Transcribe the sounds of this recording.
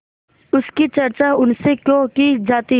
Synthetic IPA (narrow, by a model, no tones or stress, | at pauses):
ʊskit͡ʃɐɾt͡ʃaɦʊnsekjõkid͡ʒaːt̪i